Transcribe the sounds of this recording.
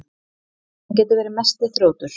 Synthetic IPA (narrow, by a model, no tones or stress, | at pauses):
anc̬ɛːt̪ʏɾvɛːɾɪmɛst̪ɪθɾoːwt̪ʏɾ̥